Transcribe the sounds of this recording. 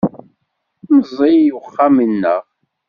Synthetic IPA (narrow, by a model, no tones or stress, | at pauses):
məzˤijuχːamənːəʁ